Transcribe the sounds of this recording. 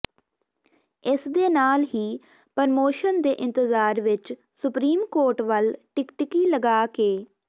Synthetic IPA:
ɪsd̪eːnaːlɦiː | pəɾmoːʃənd̪eːʔɪ̃nt̪əzaːɾʋɪt͡ʃ | sʊpɾiːmkoːɾʈʋəlʈɪkʈɪkiːləɡaːkeː

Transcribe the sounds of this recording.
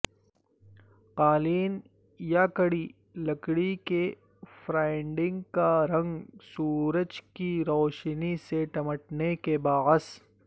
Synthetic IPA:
qaːliːn | jakɐɽi | lɐkɽike | fɾaːɪɳɖɪ̃ŋɡkaɾɐ̃ŋɡsuːɾəd͡ʒkiɾɔːʃniseʈɐməʈnekebaːɣəs

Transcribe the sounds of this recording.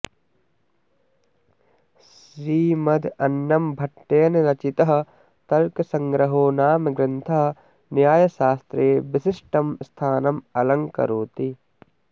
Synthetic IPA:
s | ɾiːmɐd̪ʱɐnːɐmbʱɐʈːeːnɾɐt͡ʃit̪ɐɦɐ̆ | t̪ɐlkɐsɐŋɡɾɐɦoːnaːmɡɾɪnt̪ʰɐɦɐ̆ | njaːjɐʃaːst̪ɾeːʋisɪʂʈɐmst̪ʰaːnɐmɐlɐŋkɐ̰ɾoːt̪i

